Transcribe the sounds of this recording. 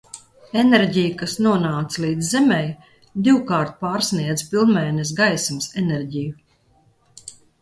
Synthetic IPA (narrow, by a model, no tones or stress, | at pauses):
ɛneɾɟijukasnuɔnaːt̪sliːd̪zːɛmɛj | d̪iwkaːɾt̪̚paːɾsniɛd̪zpilˠnmɛːnɛs̬ɡajsmsɛnɛɾɟiju